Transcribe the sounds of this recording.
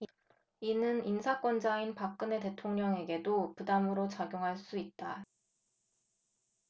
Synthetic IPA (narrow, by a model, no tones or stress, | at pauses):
inɯninsʰak͈wʌnd͡ʑainpak̚k͈ɯne̞te̞tʰoŋɲʌŋe̞ɡe̞dopudamɯɾot͡ɕaɡjoŋɦaɭs͈uit̚t͈a